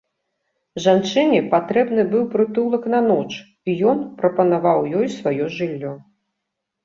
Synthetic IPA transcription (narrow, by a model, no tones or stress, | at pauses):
ʐant͡ʂɨnʲɛpat̪ɾɛbnɨbɨwpɾɨt̪ulˠɐknɐnɔt͡ʂ | ijɔnpɾɐpɐnavawjɔjsvajɔʐɨlʲːɔ